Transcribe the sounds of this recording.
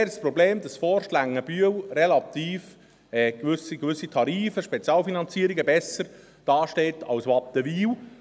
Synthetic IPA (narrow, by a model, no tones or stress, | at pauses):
ɾspɾɔbleːmd̪ɑsfɔɾʃlæŋːəb̥yəwrɛlɑt̪iːf | ɛːkʋʏsiɡʋʏsːitʰɑɾiːfəʃpɛt͡sjɑːlfinɑnt͡siəɾiɡəbɛsːəɾ | d̥ɑːʃteːtʰɑ̰wsʋɑpəʋiːw